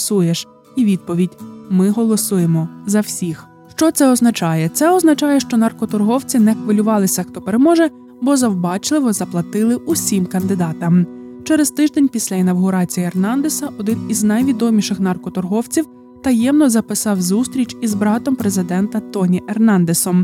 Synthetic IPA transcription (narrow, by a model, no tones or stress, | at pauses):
sujeʃ | iʋʲid̪̚pɔʋʲidʲmɪɦɔlˠɔsujemɔzɐwsʲix | ʃt͡ʃɔt̪sɛɔznɐt͡ʃɑjɛt̪sɛɔznɐt͡ʃɑjɛʃt͡ʃɔnɐrkɔt̪ɔrɦɔwt͡sʲinɛxʋɐlʲʊʋɑlˠɪsʲɐxt̪ɔpeɾemɔʒɛ | bɔzɐwbɑt͡ʃlˠɪʋɔzɐplˠɐt̪ɪlˠɪusʲimkɐnd̪ɪd̪ɑt̪ɐmt͡ʃɛɾest̪ɪʒd̪enʲpʲisʲlʲɐinɐwɦʊɾɑt͡sʲijiernɑnd̪esɐʔɔd̪ɪniznɐjʋʲid̪ɔmʲiʃɪxnɐrkɔt̪ɔrɦɔwt͡sʲiw | t̪ɐjɛmnɔzɐpɪsɑwzust̪ɾʲit͡ʃʲizbɾɑt̪ɔmpɾezɪd̪ɛnt̪ɐt̪ɔnʲiʔernɑnd̪esɔm